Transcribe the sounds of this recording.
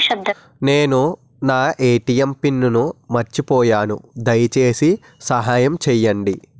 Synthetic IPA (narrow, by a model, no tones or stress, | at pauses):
ʃɐbd̪ɐ | ne̞ːnu | naːʔeːʈijempinːunumɐɾt͡ʃipɔːjaːnṵd̪ɐjt͡ʃe̞ːsi | sɐɦaːjɐmt͡ʃɛjːɐɳɖi